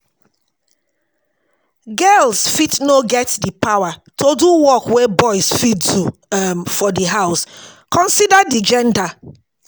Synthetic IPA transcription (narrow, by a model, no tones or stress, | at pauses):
ɡɛlsfitnoɡɛtdipawatʰoduwɔkwebɔɪsfitdumfɔdiɦaʊs | kɔ̃nsidadid͡ʒɛ̃nda